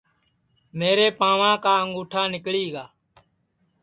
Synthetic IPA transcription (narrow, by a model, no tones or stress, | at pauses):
meːɾeːpãːʋãːkaːəŋɡuːʈʰaːnɪkɭiːɡaː